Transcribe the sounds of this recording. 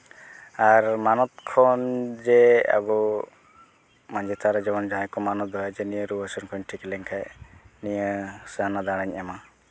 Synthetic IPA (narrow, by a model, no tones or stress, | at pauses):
aɾmanɔt̪̚kʰɔnd͡ʒɛa̰bu | maɲd͡ʒɛt̪ʰaɾɛd͡ʒɛbɔnd͡ʒaɦɛkɔmanɔt̪ɔɦad͡ʒɛnijəɾubəsɔnkʰɔɲʈʰikɛlɛŋkʰajnijəsəanad̪aɽ̃aɲɛma